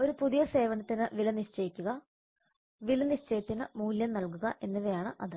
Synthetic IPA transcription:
o̞ɾupuðijɐse̞ːʋɐnɐt̪ːinɨʋilɐniɕt͡ɕɐjikʲːuɣɐ | ʋilɐniɕt͡ɕɐjɐt̪ːinɨmuːljɐmnɐlkuɣɐʔe̞nːuʋɐjaːɳɨʔɐðɨ

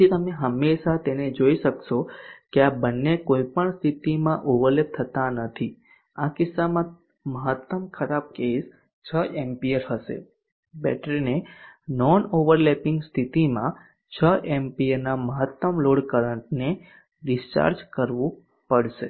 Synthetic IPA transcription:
d͡ʒit̪əmeɦəmːeʃat̪ened͡ʒoiʃəkʃokeabənːekoipəɳst̪ʰit̪imãʔoʋəɾlep̚t̪ʰət̪anət̪ʰi | akɪsːamã | məɦət̪ːəmkʰəɾap̚kes | t͡ʃʰəʔempiəɾɦəʃḛ | bɛ̰ʈʰɾnenɔnoʋəɾlɛpɪŋɡst̪ʰit̪imã̰ | t͡ʃʰəʔempiəɾnaməɦət̪ːəmloɽkəɾəɳʈne | ɖɪst͡ʃa̰ɾd͡ʒkəɾʋũ | pəɽʃḛ

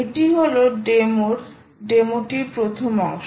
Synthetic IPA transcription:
eʈiɦoloɖemoɾ | ɖemoʈiɾpɾot̪ʰomaʃ

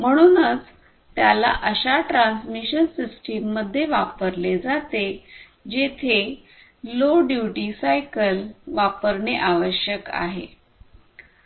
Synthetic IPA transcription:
m̤əɽ̃uːnət͡s | t̪jala̰ʔəɕaʈɾansmiɕənsisʈimːəd̪ʱːjeʋapəɾled͡zat̪e | d͡ʑet̪ʰe | loɖjuʈisajkəlʋapəɾɳeʔaʋəɾɕjəka̰ɦḛ

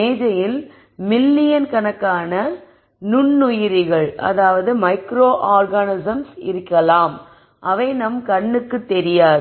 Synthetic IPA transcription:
eːd͡ʒɐjɪl | mɪlːɪjɐnkɐnɐkːaːnɐ | nʊɳːʊjɪɾɪɣɐɭʔɐ̰ðaːʋɐðɯmɐɪkɾoːʔaːɾɡanɪsɐmsɪ̰ɾɯkːɐlaːm | ʔɐʋɐɪnɐmkɐɳːɯkːɯt̪ːɛɾɪjaːð

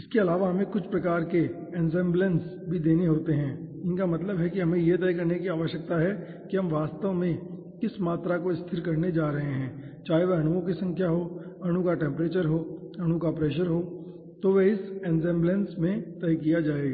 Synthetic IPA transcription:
ɪskeɐlaːʋaɦɐmẽkʊt͡ʃʰpɾɐkaːɾke | ɛnzɛ̃ːmbləns | bʱid̪eːneɦoːt̪eɦɛ̃ːɪnkamɐt̪ləbɦɛkiɦɐmẽjet̪ɛjkɐɾnekiaːʋəʃjək̚t̪aɦɛ | kiɦɐ̃mʋaːst̪əʋmẽ | kɪsmaːt̪ɾakoɪst̪ʰɪɾkɐɾned͡ʒaːɾɐɦeɦɛ̃ːt͡ʃaːɦeʋeɐɽ̃uõkisɐ̃ŋkʰjaɦoːɐɽ̃ũkaʈɛ̃ːmpɾeːt͡ʃəɾɦoːɐɽ̃ukapɾɛːʃəɾɦoː | t̪oʋeɪsɛːnzɛ̃ːmblə̃nsmẽt̪ɛjkijad͡ʒaːeːɡaː

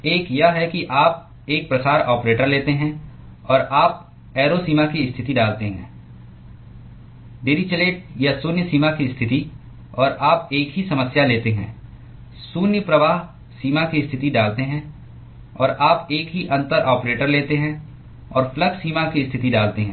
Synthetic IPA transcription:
eːkjɐɦɛkiʔaːp̚ | eːk̚pɾɐsaːɾɔːpɾeːʈəɾleːt̪eɦɛ̃ | ɔːɾaːp̚ | ɛːɾosiːmakiɪst̪ʰɪt̪iɖaːlt̪eɦɛ̰̃ː | ɖeːɾit͡ʃɐleːʈ̚jɐsuːnjəsiːmakist̪ʰɪt̪i | ɔːɾʔaːp̚eːkɦisɐməsjaleːt̪eɦɛ̰̃ː | suːnjəpɾɐʋaːɦ | siːmakiɪst̪ʰɪt̪iɖaːlt̪eɦɛ̃ | ɔːɾaːpeːkɦiʔɐ̃nt̪əɾʔɔːpɾeːʈəɾleːt̪eɦɛ̃ | ɔːɾfʰləɡsiːmakist̪ʰɪt̪iɖaːlt̪eɦɛ̃

